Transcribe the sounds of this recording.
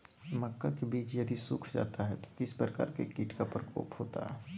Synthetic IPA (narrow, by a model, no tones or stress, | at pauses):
mɐkːakebiːt͡ʃjɐd̪isʊkʰd͡ʒa̰ːt̪aɦɛt̪o̥kɪspɾəka̰ːɾkekiːʈkapɾəkʰo̰ːpɦoːt̪a̰ɦɛː